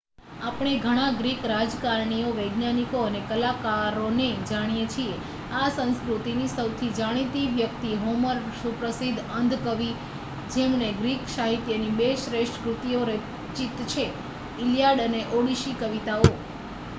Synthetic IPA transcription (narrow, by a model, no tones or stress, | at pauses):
apɳ̃eɡʱəɽ̃ãɡɾikɾad͡ʒkaɾɳioʋəjɡnanikoənekəlakaɾoned͡ʒaɽ̃ijet͡ʃʰie | asə̃nskɾut̪inisəwt̪ʰid͡ʒaɽ̃it̪iʋjək̚t̪iɦoməɾʃupɾəsid̪ʱənd̪ʱkəʋi | d͡ʒemneɡɾikʃaɦit̪jənibeʃɾeʃʈkɾut̪ioɾe | t͡ʃit̪t͡ʃʰe | ɪljaɽəneʔoɽiʃikəʋit̪ao